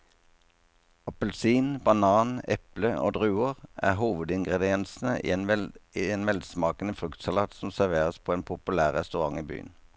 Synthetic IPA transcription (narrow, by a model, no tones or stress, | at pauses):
ɑpəlsiːnbɑnɑːnɛ̰pləo̰ːd̪ʁʉːʊʁæ̰ːʁɦuːʋəd̪ɪŋɡʁɛd̪ɪɛnsn̩əḭɛieːnʋɛlsmɑːkənəfʁʉkt̪sɑlɑːt̪sɔmsæʁʋeːʁəspʰoːeːnpʰʊpʉlæːʁʁɛst̪ʉʁɑŋiːby̰ːə̰n